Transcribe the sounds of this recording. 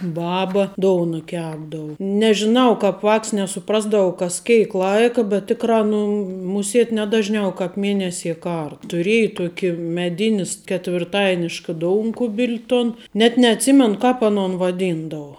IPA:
ˈbɑːbɐ ˈdoːʊnɐ ˈkʲæːbdɐʋʊ nʲɛʒʲɪˈnɐʊ ˈkɑːp ˈʋɑːks nʲɛsʊˈprɑːzdɐʋɐʊ kɐs ˈkʲeːɪk ˈlˠɐɪkɐ bʲɛt ˈtʲɪkrɑː nʊ mʊˈsʲeːt ˈnʲɛ dɐʒʲˌnʲɛʊ kɐɪp ˈmʲeːnʲɛsʲiɛ ˈkɐr tʊˈrʲiɛjɛ ˈtuɔkʲɪ mʲɛˈdʲɪnʲɪs kʲɛtʲʋʲɪrˈtɐɪnʲɪʃkɐ ˈdoːʊŋkʊbʲɪlʲ toːn nʲɛt nʲɛɐtʲˈsʲɪmʲɛnʊ ˈkɑːp ɐˈnoːn ʋɐˈdʲiːndɐʋoː

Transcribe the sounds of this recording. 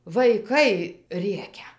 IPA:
ʋɐɪˈkɐɪ ˈrʲeːkʲɛ

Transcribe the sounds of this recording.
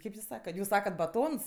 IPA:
ˈkɐɪp jʊs ˈsɑːkɐt ˈjuːs ˈsɑːkɐt bɐˈtoːns

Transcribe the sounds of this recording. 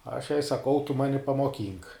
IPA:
ɐʃ jɛɪ sɐˈkɐʊ tʊ ˈmɑːnʲɪ pɐmoːˈkʲiːŋk

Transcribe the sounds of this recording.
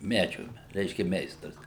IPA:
ˈmʲæːd͡ʒʲʊ ˈrʲɛɪʃʲkʲɛ ˈmʲɛɪstrɐs

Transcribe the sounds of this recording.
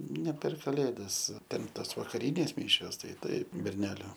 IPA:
nʲɛ pʲɛr kɐˈlʲeːdɐs ˈtʲɛn ˈtɐs ʋɐkɐˈrʲiːnʲeːs ˈmʲiːʃʲoːs ˈtɐɪ ˈtɐɪp bʲɛrʲˈnʲæːlʲʊ

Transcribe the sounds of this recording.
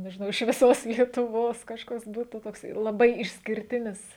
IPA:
nʲɛʒʲɪˈnɐʊ ɪʃ ʋʲɪˈsoːs lʲiɛtʊˈʋoːs kɐʃˈkɐs ˈbuːtuː toːkˈsɐɪ lˠɐˈbɐɪ ɪʃʲsʲkʲɪrʲˈtʲɪnʲɪs

